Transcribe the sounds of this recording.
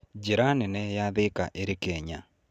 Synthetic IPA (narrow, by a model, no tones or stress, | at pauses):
ɟiɾanenɛjaðeka̰ʔeɾikeɲa